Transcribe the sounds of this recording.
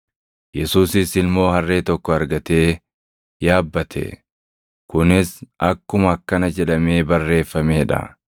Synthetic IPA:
jɛsuːsɪsɪlmo̞ːhɐrːe̞ːt̪ɔkːɔɐɾɡɐt̪e̞ː | jaːbːɐt̪ʰɛ̰ | kʊnɪsɐkːʊmɐɐkːɐnɐd͡ʒɛᶑɐme̞ːbɐrːe̞ːfːɐmeːᶑɐ̰

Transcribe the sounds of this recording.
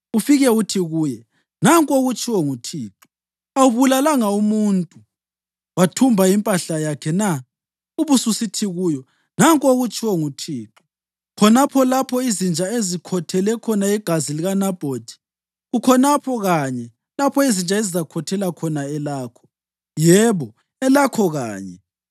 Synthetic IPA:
ufiɣɛutʰiɣuːjɛ | naŋkʼoɣut͡ʃʼʰiwɔŋutʰiːǁu̥ | awuβulalaŋaumuntʼu | watʰumbʱaimpʼaɬajakʰɛna | uβususitʰiɣuːjɔ | naŋkʼoɣut͡ʃʼiwɔŋutʰiːǁu̥ | kʰɔnapʰɔlapʰɔizind͡ʒʼaezikʰɔtʰɛlɛkʰɔnaiɡ̥ʱaziliɣanab̥ʱotʰʼi̥ | ɣukʰɔnapʰɔɣaɲɛ | lapʰɔizint͡ʃʼaezizakʰɔtʰɛlakʰɔnaɛlaːkʰɔ̥ | jɛːβɔ | ɛlakʰɔɣa̰ːɲɛ

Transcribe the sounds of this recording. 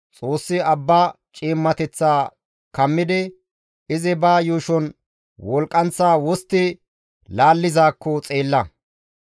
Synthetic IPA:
t͡sʼo̞ːsːɪɐbːaː | t͡ʃʼiːmːɐt̪ɛt͡sːaː | kɐmːɪd̪ɪ | ɪzɪbaːjuːʃɔn | wɔlkʼːɐnt͡sːaːwɔst̪ːɪ | laːlːɪzaːkːɔt͡sʼe̞ːlːɐ

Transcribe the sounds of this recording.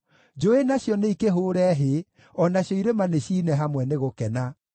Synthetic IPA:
d͡ʒoenaɕjɔneikeɦoːɾɛɦe | ɔnaɕjɔiɾemaneɕiːnɛɦamwɛneɣokɛna

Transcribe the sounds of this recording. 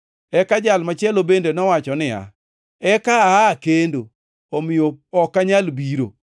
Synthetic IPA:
ɛkad͡ʒalmat͡ʃɛlobendenɔwat͡ʃɔnɪa̰ | ɛkaakendo | omɪjoɔkaɲalbiɾo

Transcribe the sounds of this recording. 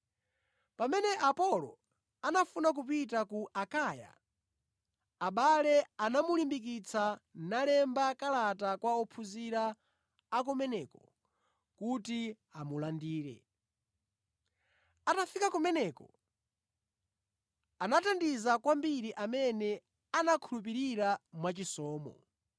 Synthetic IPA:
pamɛnɛʔapɔlɔ̰ | anafunak̬upitakuʔakaja̰ | aɓalɛanamulimbik̬it͡sʰanalɛmbakalatakwaɔpʰuziɾaː | kɔmɛnɛkɔ | kuti | amulandiːɾɛ̰ | atafikakumɛnɛkɔ | anatandizakwambiɾiʔamɛnɛ | anakʰulup̬iɾiɾamwat͡ʃisɔːmɔ̰

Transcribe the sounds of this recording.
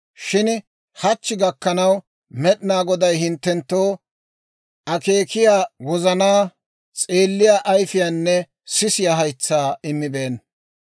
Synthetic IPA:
ʃɪn | hɐt͡ʃːɪɡɐkːɐnɐw | mɛɗɪnaːɡɔd̪ɐjhɪnt̪ːɛnt̪ːo̞ː | ʔɐke̞ːkɪjaːwɔzɐnaː | t͡sʼeːlːɪjaːʔɐjfɪjaːnːɛ | sɪsɪjaːɦɐjt͡sːaːɪmːɪbe̞ːn

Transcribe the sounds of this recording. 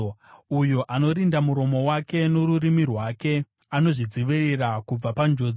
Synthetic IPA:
ujoʔano̞ɾindamuɾo̞mo̞wake̞noɾurimirwake̞ | ano̞ʐid͡ziʋirerakub͡vapand͡ʒo̞ːd͡z

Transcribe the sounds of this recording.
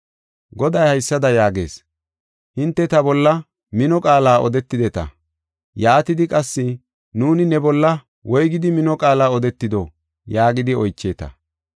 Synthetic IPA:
ɡɔd̪ɐjhɐjsːɐd̪ɐjaːɡe̞̰ːs | hɪnt̪ːɛt̪ɐbɔlːɐ | mɪnɔkʼaːlaːʔɔd̪ɛt̪ːɪd̪ɛt̪ɐ̰ | jaːt̪ɪd̪ɪkʼɐsːɪ | nuːnɪnɛbɔlːɐ | wɔjɡɪd̪ɪmɪnɔkʼaːlaːɔd̪ɛt̪ːɪd̪ɔ | jaːɡɪd̪ɪɔjt͡ʃːe̞ːt̪ɐ̰

